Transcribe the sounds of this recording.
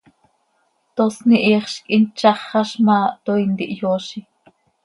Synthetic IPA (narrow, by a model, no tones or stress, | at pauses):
t̪osniʔiːχʃkʼint͡ʃɑχːɑʃmɑːt̪oind̪iʔjoːʃi